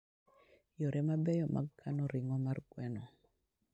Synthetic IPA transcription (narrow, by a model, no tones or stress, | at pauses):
jɔɾʔɛmabɛjɔmʔa̰ɡkʰːanɔɾɪŋɔmarɡwɛnɔ